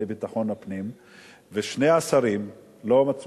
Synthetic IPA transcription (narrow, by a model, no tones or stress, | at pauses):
ebit̪aχo̞napnim | veʃneasaʁim | lomat͡s